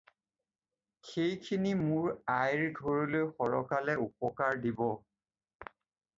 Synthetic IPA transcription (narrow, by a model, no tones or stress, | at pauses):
xejkʰinimʊɹajɹɡʱoɹilojxɔɹɔkalɛupɔkaɹdibɔ